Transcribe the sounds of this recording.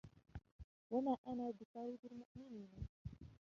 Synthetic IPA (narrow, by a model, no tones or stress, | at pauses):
wamaːʔanaːbɪq̪ɑːɾiːd̪almʊʔmɪniːn